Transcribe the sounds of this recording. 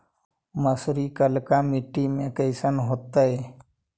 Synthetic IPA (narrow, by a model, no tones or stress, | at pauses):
masɾikalkamiʈimekəjsanɦɔt̪aj